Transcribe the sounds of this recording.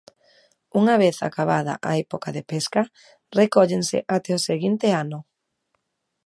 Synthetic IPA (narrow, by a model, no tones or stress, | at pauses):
uŋaβeθa̰kaβaða̰ʔaepokaðepeska | rekɔʎensɪ̰ʔat̪ɛoseɣint̪eanʊ